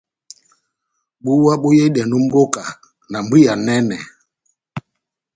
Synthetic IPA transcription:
ɓu˦wa˦ɓo˦je˦ɗɛ˨nu˦m̩˦bo˦ka˨ | na˨m˦bi˦ja˨nɛ˦nɛ˨

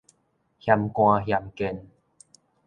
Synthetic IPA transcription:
hja˧mkw̃ã˧ɦja˧mke˧n

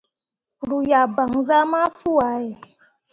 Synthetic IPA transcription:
ɾu˨ja˨ba˨ŋ˨za˦ma˦fu˦a˨˦jɛ˨

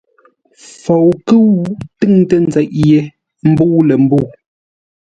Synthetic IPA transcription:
fo˨wkɨ˦wu˦tɨ˦ŋtə˦˨n˦d͡zɛ˨˦ʔje˨˦ | m̩˦bu˦lə˨m̩˦bu˦˨

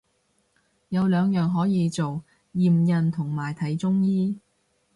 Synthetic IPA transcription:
jɐ˨˧wlœː˨˧ŋjœː˨˩ŋɦɔː˨˥jiː˨˧t͡so˨w | jiː˨˩mjɐ˨nt̪ʰʊ˨˩ŋmaː˨˩jt̪ʰɐ˨˥jt͡sʊ˥ŋjiː˥

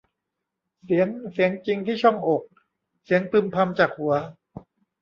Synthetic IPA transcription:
si˩˦əŋsi˨˩˦əŋt͡ɕi˧ŋt̪ʰiː˥˩t͡ɕʰɔ˥˩ŋʔo˨˩k̚ | si˩˦əŋt̪ɯ˨˩mpʰa˧mt͡ɕaː˨˩k̚hu˩˦ɐ

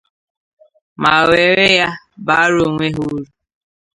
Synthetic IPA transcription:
ma˨we˨ɾe˦ja˦ | ba˨˦a˦ɾo˨ŋʷe˦ɦu˦ɾu˨

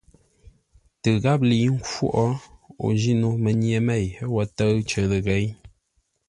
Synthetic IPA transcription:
tɨ˨ɣa˦p̚li˨˦ŋ̩˦kwo̰˦˨ʔɔ˦o̰˨d͡ʒi˦no˦mə˨ɲje˨me˦˨jwɔ˨tə˦t͡ʃə˨lə˨ɣe˨˦j

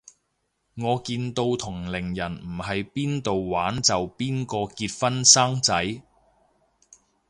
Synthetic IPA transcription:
ŋɔː˨˧kiː˧nt̪o˧wt̪ʰʊ˨˩ŋlɪ˨˩ŋjɐ˨˩nm̩˨˩hɐ˨jpiː˥nt̪o˨wwaː˨˥nt͡sɐ˨wpiː˥nkɔː˧kiː˧t̚fɐ˥nsaː˥ŋt͡sɐ˨˥j

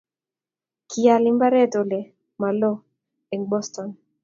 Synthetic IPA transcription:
kʰia˨lɪ˦mba˦ɾɛ˦to˨lɛ˨ | ma˨lɔ˦ | ɛ˨ŋbɔ˦stɔ˨n

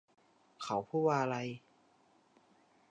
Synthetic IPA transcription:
kʰa˨˩˦wpʰuː˥˩waː˧ʔla˧j

